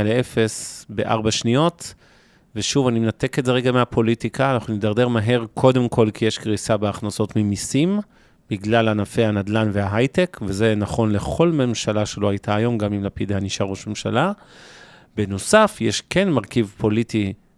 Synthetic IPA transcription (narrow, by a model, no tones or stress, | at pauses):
alee̞fe̞sbe̞ʔa̰ʁbaʃnio̞t | veʃuvanimenate̞ketze̞ʁeɡameapʰo̞litikʰaːnaχnunidaʁd̪e̞ʁmaɦe̞ʁkʰo̞de̞mkʰo̞lkʰijeʃkʁisabeaχnaso̞tmimisim | biɡlalanafejhanad̪lanveaɦajtekveze̞naχo̞nle̞χo̞lme̞mʃalaʃe̞lo̞hajtʰaːjo̞mɡamimlapid̪ehaniʃaʁoʃme̞mʃala | beno̞safjeʃke̞nmaʁkivpʰo̞liti